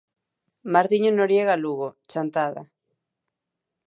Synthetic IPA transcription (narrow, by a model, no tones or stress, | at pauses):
maɾðiɲonoɾjeɣaluɣot͡ʃant̪aða̰